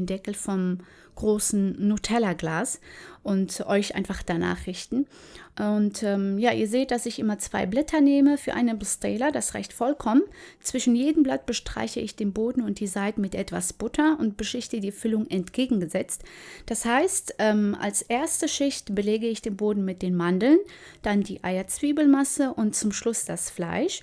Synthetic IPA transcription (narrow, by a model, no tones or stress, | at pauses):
ndɛkl̩fɔm | ɡ̥ʁoːsn̩ːutʰɛlɐɡlaːsʔʊntʔɔʏçʔa̰ɪnfaχd̥ana̰ːχʁ̥ɪçtn̩ | ʔʊntɛːmjaːʔiːɐzeːt̚d̥asɪçʔɪmɐt͡sv̥a̰ɪblɛtʰɐneːməfyːɐʔa̰ɪnənbɪstɛ̰ːlɐdasʁa̰ɪçtfɔlkʰɔmənt͡sv̥ɪʃn̩jeːdəmblat̚b̥əʃtʁ̥a̰ɪçəɪçd̥eːnboːdn̩ʊnt̚d̥iːzaɪtn̩mɪtʔɛtv̥a̰sb̥ʊtʰɐʊntb̥əʃɪçtədiːfʏlʊŋɛntɡ̥eːɡŋ̩ɡəzɛt͡std̥ashaɪstʔɛːmʔa̰lsʔeːɐstəʃɪçtb̥əleːɡəɪçd̥eːnboːdn̩mɪt̚d̥eːnmandl̩n | d̥andiːʔa̰ɪɐt͡sv̥iːbl̩masəʔʊntt͡sʊmʃlʊsd̥asfla̰ɪʃ